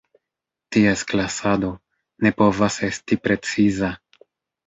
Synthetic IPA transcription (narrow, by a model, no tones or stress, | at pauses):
tiesklasado̞ | ne̞po̞vase̞stipɾe̞t͡siza